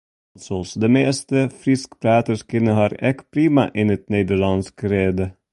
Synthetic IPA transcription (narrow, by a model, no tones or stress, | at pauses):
lsɔɔlsɔd̪ɛmeːst̪əfɾɪskpʰɾæːt̪əskɪnəhɑːɾɛkpʰɾiːmɑʔɪnət̪̚neːd̪əɭɑnskɾeːd̪ə